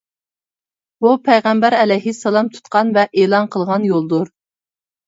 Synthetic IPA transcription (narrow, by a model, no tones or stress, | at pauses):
bupʰɛjʁɛmbæɾɛlɛjɦiselˠɑmt̪ʰu̥t̪̚qɑnvɛʔeːlˠɑnqʰəlˠʁɑnjolˠd̪uɾ